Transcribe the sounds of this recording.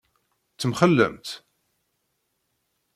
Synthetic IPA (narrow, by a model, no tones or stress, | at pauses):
t͡sːəmχəlːə̰mt̪